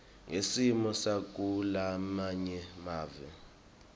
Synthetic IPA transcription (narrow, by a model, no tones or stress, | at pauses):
ŋesimɔsak̬ʼulamaɲɛmaːvɛ